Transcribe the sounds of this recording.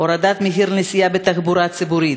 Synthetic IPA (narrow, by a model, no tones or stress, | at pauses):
oɾad̪at̪meɦiɾnesijabet̪aχbuɾat͡sibuɾit̪